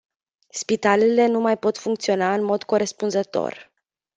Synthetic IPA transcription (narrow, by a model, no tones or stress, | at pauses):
spit̪alele̞numajpo̞t̪fuŋkt̪sio̞naɨnmo̞d̪ko̞ɾe̞spunzət̪o̞̰r